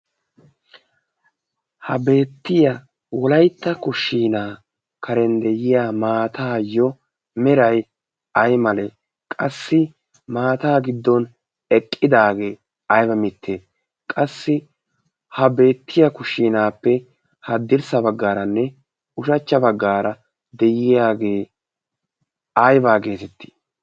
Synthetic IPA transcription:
hɐbe̞ːt̪ːɪjɐ | wɔlɐjt̪ːɐkʊʃːiːnaː | kɐɾɛnd̪ɛjɪjaːmaːt̪ʰaːjːɔ | mɛɾɐj | ɐjmɐle | kʼɐsːɪ | maːt̪aːɡɪd̪ːɔn | ɛkʼːɪd̪aːɡe̞ː | ɐjbɐmɪt̪ʰːeː | kʼɐsːɪ | hɐbe̞ːt̪ʰːɪjɐkʊʃːiːnaːpːɛ | hɐd̪ɪɾsɐbɐɡːaːɾɐnːɛ | ʊʃɐt͡ʃːɐbɐɡːaːɾɐ | d̪ɛjɪjaːɡe̞ː | ɐjbaːɡe̞ːt̪ɛt̪ːi̥

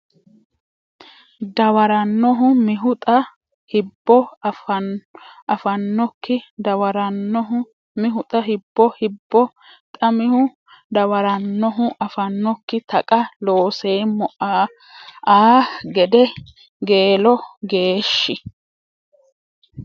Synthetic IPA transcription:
d̪ɐwɐɾɐnːɔɦʊmɪɦʊt̪ʼɐ | hɪbːɔfɐʔɐfɐnːɔkːɪd̪ɐwɐɾɐnːɔɦʊ | mɪɦʊt̪ʼɐɦɪbːɔhɪbːɔ | t̪ʼɐmɪhʊ | d̪ɐwɐɾɐnːɔɦʊʔɐfɐnːɔkːɪt̪ɐkʼɐlo̞ːseːmɔʔaː | aːɡɛd̪ɛ | ɡeːlɔɡe̞ːʃːɪ

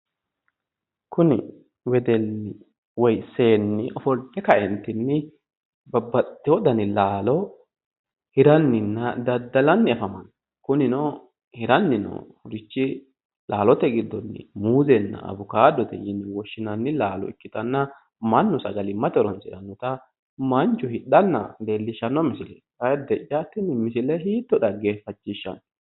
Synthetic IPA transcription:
kʊnɪ | wɛd̪ɛnːɪ | wɔjse̞ːnːɪʔɔfɔlt̪ːɛkɐʔɛnt̪ɪnːɪ | bɐbːɐt̪ːɪwɔd̪ɐnɪlaːlɔ | hɪɾɐnːɪnːɐd̪ɐd̪ːɐlɐnːɪɐfɐmɐn | kʊnɪnɔ | hɪɾɐnːɪnɔ̰hʊɾɪt͡ʃːɪ | laːlɔt̪ɛɡɪd̪ːɔnːɪ̰muːzɛnːɐ̰ɐ̰bʊkaːd̪ɔt̪ɛ̰jɪnːɪwɔʃːɪnɐnːɪlaːlɔ̰ɪ̰kːɪt̪ɐnːɐ | mɐnːʊsɐɡɐlɪmɐt̪ɔɾɔnsɪɾɐnːɔt̪ɐ | mɐnt͡ʃːʊhɪᶑɐnːɐ̰d̪eːlːɪʃːɐnːɔmɪsɪlɛ | kɐɛd̪ɛt͡ʃʼːat̪ːɪnɪmɪsɪlɛɦiːt̪ːɔᶑɐɡeːfɐt͡ʃːɪʃːɐ̰n

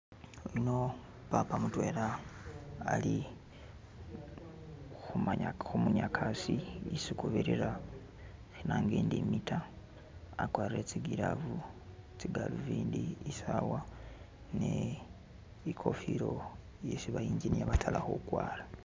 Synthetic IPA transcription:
ino | papamutwe̞ːɾaː | li | xumaɲaxumuɲakʰasiisikuβiɾiɾa | xinaːŋɡeːndimitʰa | akwaːɾiɾet͡siɡiɾaβut͡siɡaluviːndiːsawa | ne | ikʰo̞fiɾo̞ | jesiβajiːɲzinijaβatʰalaxo̰kwaːla

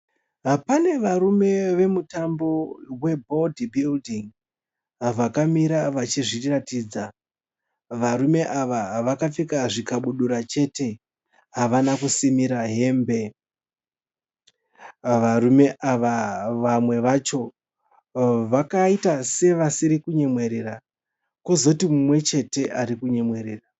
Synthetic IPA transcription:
pane̞ʋaɾume̞ʋe̞mutambo̞we̞bʱo̞dibildiŋ | ʋakamiɾaʋat͡ʃiʐiratiːd͡za | ʋaɾume̞ʔaʋaʋakafikaʐikaɓuɗuɾat͡ʃe̞te̞ | ɦaʋanakusimiɾaɦe̞ːmbe̞ | ʋaɾume̞ʔaʋaʋamwe̞ʋat͡ʃo̞ | ʋakaitase̞ʋasiɾikuɲe̞mwe̞ɾeɾa | ko̞zo̞timumwe̞t͡ʃe̞te̞ʔaɾikuɲe̞mwe̞ɾeːra

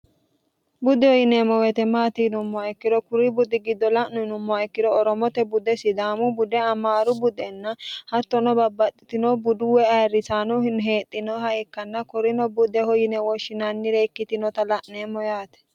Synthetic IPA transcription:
bʊd̪ɛhɔjɪneːmːɔwɛt̪ɛmaːt̪inʊmːɔaɪkːɪd̪ɔkʊɾɪbʊd̪ɪɡɪd̪ːɔlɐʔnʊnʊmːɔaɪkːɪd̪ɔːɾɔmɔt̪ɛbʊd̪ɛsɪd̪aːmʊbʊd̪ɛɐmaːɾʊbʊd̪ɛnːɐhɐt̪ːɔnɔbɐbːɐt̪ːɪt̪ɪnɔbʊd̪ʊwɛɐrːɪsaːnɔhɪnɦe̞ːt̪ʼːɪnɔhɐjɛkːɐnːɐkɔɾɪnɔbʊd̪ɛhɔjɪnɛwɔʃːɪnɐnːɪɾɛɪkːɪt̪ɪnɔt̪ɐlɐʔneːmːɔjaːt̪ɛ̥

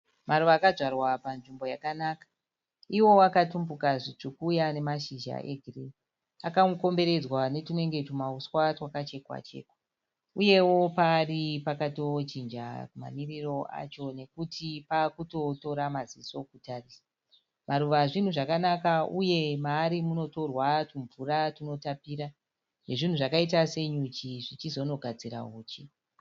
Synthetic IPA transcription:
maɾuʋaːkaʐwarwapanʐimbo̞jakanakḁ | iwo̞wakatumbukaʐit͡ʂukuːjane̞maʃiʒa̰ʔeɡʱiri | akaŋuko̞mbe̞ɾe̞d͡zwane̞tine̞ŋɡe̞tumauswatwakat͡ʃe̞kwa̰t͡ʃe̞̰ːkwa | uje̞wo̞paːripakato̞t͡ʃind͡ʒa̰kuma̰miriro̞ʔa̰t͡ʃo̞ne̞kutʰipakuto̞to̞ɾamaziso̞kutarisḁ | maɾuʋaʐin̤uʐakanakauje̞maːɾimuno̞to̞rwatuɱvuratino̞tapiːɾa | ne̞ʐin̤uʐakait̬ase̞ɲut͡ʃiʐit͡ʃizo̞no̞ɡʱad͡ziɾa̰uːt͡ʃi

